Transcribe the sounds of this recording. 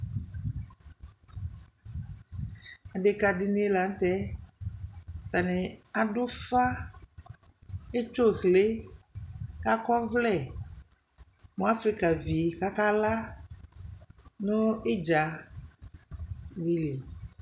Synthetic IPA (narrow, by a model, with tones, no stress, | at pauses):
a˨de˨ka˨di˨ne˦la˨n̩˦t̪ɛ˦ | t̪a˨nɛ̃˨a˨dʊ˦fa˦ | e˦t͡ʃo˦˨ɣle˦ | ka˦kɔ˦vlɛ˦˨ | mõ˨˦a˦fɾi˦ka˨vi˨ka˦ka˦la˦ | nʊ̃˦e˦d͡ʒa˨ | li˨li˨